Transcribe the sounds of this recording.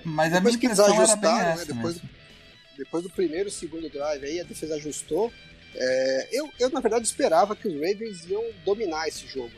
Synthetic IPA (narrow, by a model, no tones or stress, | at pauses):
mɐzɛojskɪzaʒust̪ãɛnɛd̪emojzd̪ | d̪epojzd̪ʊpɾimejɾʊsɪɡũd̪ʊɡɾajvɪaiɐd̪efezɐaʒust̪o | ɛewewnɐveɾd̪ad͡ʒɪispeɾavɐkɪʊzɾejveɾziɐ̃w̃d̪ominaesɪ̥ʒoɡʊ